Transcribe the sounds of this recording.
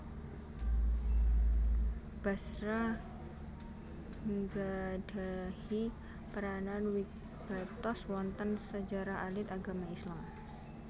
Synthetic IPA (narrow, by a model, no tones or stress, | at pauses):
b̥a̤sɾa | ŋɡad̥ahi | pəɾananwi | ɡ̥at̪ɔswɔnt̪ənsəd͡ʒaɾahalɪt̪aɡamaislam